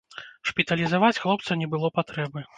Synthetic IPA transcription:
ʂpʲit̪ɐlʲizavat͡sʲxlˠɔp̚t̪sɐnʲɛbɨlˠɔpat̪ɾɛbɨ

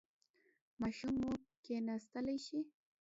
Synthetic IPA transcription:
mɑʃumːokenast̪əlajʃi

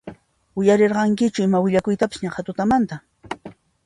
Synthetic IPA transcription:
ʊjaɾeɾɢɑŋkɪt͡ʃʊɪmawɪʎakʊjt̪apɪ̥sɲaχat̪ʊt̪amant̪a

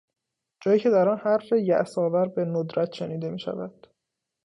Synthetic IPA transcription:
d͡ʒɒːjiːcʰe̞d̪æɾɒːnhæɾːejæʔsɒːvæɾbe̞nod̪ɾæt̪ʃe̞niːd̪e̞miːʃæ̰væd̪̥

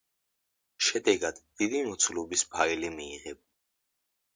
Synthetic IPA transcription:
ʃɛd̪ɛɡad̪̥ːid̪imɔt̪sʰlɔbispʰailimiːʁɛb̚

